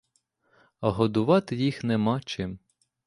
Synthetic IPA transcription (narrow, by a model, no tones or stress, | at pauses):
ɐɦɔd̪ʊʋɑt̪ɪjixnemɑt͡ʃɪm